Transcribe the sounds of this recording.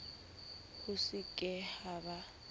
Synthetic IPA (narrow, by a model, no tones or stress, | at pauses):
hʊsɪkʼɛhaβa